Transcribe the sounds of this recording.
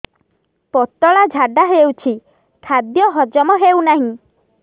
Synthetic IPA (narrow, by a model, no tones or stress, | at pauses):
pɔt̪ːɔɭad͡ʒʱaɖaɦewt͡ʃʰi | kʰad̪jɔɦɔd͡ʒɔmɔɦewnaɦĩ